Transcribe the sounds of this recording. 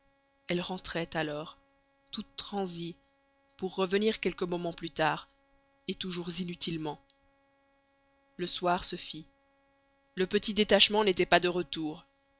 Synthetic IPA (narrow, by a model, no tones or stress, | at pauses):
ɛlʁɑ̃t̪χɛt̪alɔːʁ | t̪ut̪ːχɑ̃zi | puʁːəvəniʁkʲɛlkəmɔmɑ̃plyt̪aːʁ | et̪uʒuʁzinyt̪ilmɑ̃ | ləswaʁsəfi | ləpət̪id̪et̪aʃmɑ̃net̪ɛpad̪əʁət̪uːʁ